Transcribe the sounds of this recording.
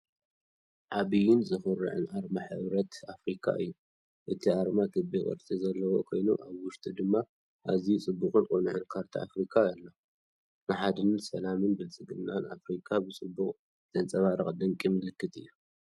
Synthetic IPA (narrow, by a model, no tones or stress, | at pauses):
ʕaβijɪnzɨfɨɾɨ̰ʕɨ̰naɾmaħɨ̰βɾɐt̪afɾikʰa̰ʔɨ̰jːu | ʔɨt̪ʰiaɾmak̪ʰɨbikʼɨ̰ɾt̪ʼizɐlːɐwo̰kʰo̞jnuʔaβwʊʃt̪ʼid̪ɨmːa | ʔazit͡sʼɨbːuχʼɨnkʼonɨʕɨnkʰaɾt̪ʰia̰fɾikʰaɐlːa | nɨħad̪ɨnsɐlamɨnbɨlt͡sʼɨɡɨnːana̰fɾikʰabɨt͡sʼɨbːuqʼ | d̪ɐnt͡sʼɐβaɾɐχʼd̪ɐŋkʼimɨlɨkʰːɨt̪ʰɨ̰jːu